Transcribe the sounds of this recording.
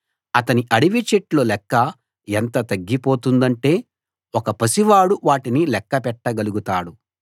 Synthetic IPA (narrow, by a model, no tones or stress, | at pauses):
ɐt̪ɐniʔɐɽiʋit͡ʃeʈlo̞ːlɛkːɐ | ɛnt̪ɐt̪ɐɡːipo̞ːt̪und̪ɐɳʈe̞ː | wɔkɐpɐsiʋaːɽuʋaːʈinilɛkːɐpɛʈːɐɡɐluɡut̪aːɽu